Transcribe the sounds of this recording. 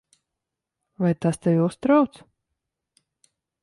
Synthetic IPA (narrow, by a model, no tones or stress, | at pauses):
vajt̪ast̪ɛvʲust̪ɾawt̪s